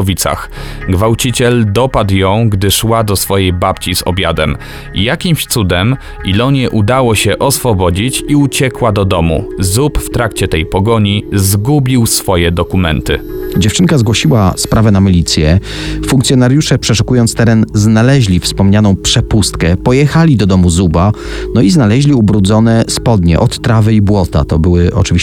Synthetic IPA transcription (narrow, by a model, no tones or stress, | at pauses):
vʲit̪sa̰x | ɡvawt͡ɕit͡ɕɛld̪ɔpad̪wjɔ̃w̃ɡd̪ɘʂwad̪ɔsfɔjɛjbapt͡ɕizɔ̰bʲjad̪ɛm | jakʲimɕt̪sud̪ɛm | ilɔɲɛʔud̪awɔɕɛʔɔsfɔbɔd͡ʑit͡ɕiut͡ɕɛkwad̪ɔd̪ɔmṵzupft̪ɾakt͡ɕɛt̪ɛjpɔɡɔɲizɡubʲiwsfɔjɛd̪ɔkumɛnt̪ɘ̰d͡ʑɛft͡ʂɘŋkazɡwɔɕiwa̰spɾavɛnamʲilʲit̪sʲjɛ | fuŋkt̪sʲjɔnaɾʲjuʂɛpʂɛʂukujɔnt̪st̪ɛɾɛnznalɛʑlʲifspɔmɲanɔ̃w̃pʂɛpust̪kɛpɔjɛxalʲid̪ɔd̪ɔmuzuba | nɔiznalɛʑlʲiubɾud̪zɔnɛspɔd̪ɲɛ̰ʔɔt̪ːɾavɘibwɔt̪a̰t̪ɔbɘwɘʔɔ̰t͡ʂɘvʲi